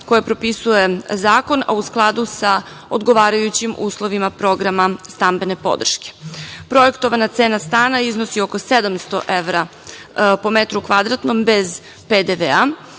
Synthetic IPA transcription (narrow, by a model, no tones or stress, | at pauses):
kojapɾo̞pisuje̞zaːko̞na̰usklˠad̪usa | od̪ɡo̞ʋaːɾajut͡ɕimuːslˠo̞ʋimapɾo̞ɡɾamast̪ambe̞ne̞po̞̰d̪r̩ʃke̥pɾo̞jekt̪o̞ʋanat̪seːnast̪aːnaiznosioko̞sed̪amst̪o̞̰ʔeʋɾa | po̞met̪ɾukʋad̪ɾat̪no̞mbe̞z | ped̪eʋea